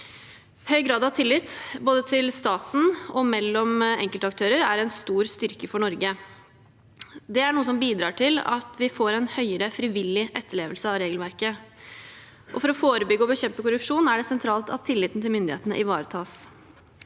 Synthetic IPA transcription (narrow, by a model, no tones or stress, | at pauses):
hœʏɡɾɑːd̪ɑʋt̪ʰɪlːɪt̪boːd̪ət̪ʰɪlst̪ɑːt̪n̩ɔmɛlːɔmɛ̰ŋkəlt̪əɑk̚t̪ʰøːɾəɾæɾɛnst̪uːɾst̪ʏɾkəfɔɳɔɾɡə | d̪ɛæɳuːəsɔmbiːd̪ɾɑːʈʰɪlɑ̰t̪ʋɪfoːɾɛnhœʏəɾəfɾɪʋɪlːɪʔɛt̪ːəɭeːʋəlsəɑʋɾeːɡəlʋæɾkə | ʔɔfɔɾɔfoːɾəbʏɡːəɔbəɕɛmpəkʊɾʉpʂuːnæɖɛsɛnt̪ʰɾɑːlt̪ʰɑ̰t̪ʰɪlːɪt̪n̩t̪ʰɪlmʏnd̪ɪhḛːt̪ənə̰ʔɪʋɑːɾət̪ʰɑːs